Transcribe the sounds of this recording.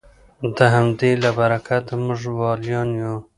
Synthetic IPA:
d̪əɦamd̪elabaɾakat̪mʊʐwɑljɑnjo

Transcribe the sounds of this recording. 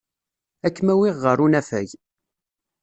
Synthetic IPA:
ækːmæwiʁːəɾunæfæ̰ʝ

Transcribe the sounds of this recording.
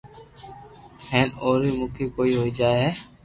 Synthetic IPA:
hʰɛ̃ːnoːɾimʊkʰikoːiɦoːid͡ʒaːeɦɛː

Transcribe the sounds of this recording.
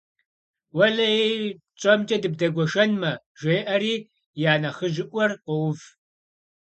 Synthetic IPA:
wɐɮɐe | t͡ʃʼɐmt͡ʃʼɐdɨb̚dɐɡʷɔʃɐnmɐ | ʒʷeːʔɐɾiː | jaːnɐχəʒɪʔʷʼɔrqʷɔwv

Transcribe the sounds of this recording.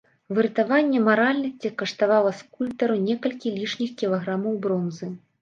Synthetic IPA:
vɨɾɨt̪avanʲːɛmaɾalʲnɐsʲt͡sʲikɐʂt̪avalˠɐskulʲpt̪ɐɾunʲɛkɐlʲkʲilʲiʂnʲixkʲilˠaɣɾamɐwbɾɔnzɨ

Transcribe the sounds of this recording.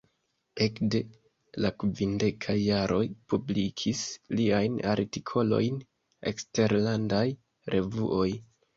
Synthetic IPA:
e̞kde̞ | lakvinde̞kʰajːaɾʔo̞jpublikʰisliajna̰ɾtikʰo̞lo̞̰jn | e̞̰kste̞ɾlandaj | ɾʔe̞vuʔo̞j

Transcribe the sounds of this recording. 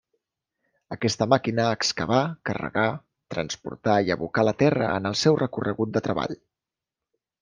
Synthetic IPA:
əkɛst̪əmakinəːkskəβakərə̰ɣa | t̪ɾənspṵɾt̪aiəβukalət̪ɛrəə̰nəlˠsɛwrəkurəɣut̪̚d̪ət̪ɾəβa̰ʎ

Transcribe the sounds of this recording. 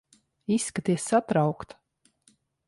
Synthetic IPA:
isːkat̪iɛsːat̪ɾawkt̪

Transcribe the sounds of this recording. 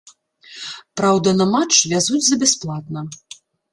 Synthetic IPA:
pɾawd̪ɐnɐmat͡ʂvʲazud͡zʲzɐbʲɛsplˠat̪nɐ

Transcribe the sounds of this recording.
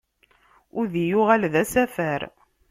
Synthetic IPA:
ʊðijʊʁælðæsæfæɾ

